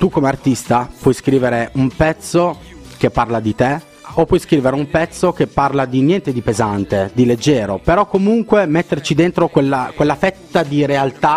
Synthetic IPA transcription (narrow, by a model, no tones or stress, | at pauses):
t̪ukːomeart̪ist̪apwɔjskɾiːveɾeumpɛt̪sːo | k̟epːarlad̪it̪e | opːwɔjskɾiːveɾeumpɛt̪sːok̟epːarlad̪injɛnt̪ed̪ipezant̪ed̪iled͡ʒːɛːɾopeɾɔkːomuŋkwemet̪ːert͡ʃid̪ent̪ɾokwelːakwelːafɛt̪ːad̪iɾealt̪a